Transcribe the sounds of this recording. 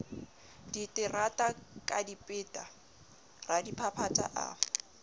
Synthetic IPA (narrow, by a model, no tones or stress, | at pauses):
d̥itʼɪratʼakʼadipʼɪːtʼa | radipʰapʰatʼa̰ʔa̰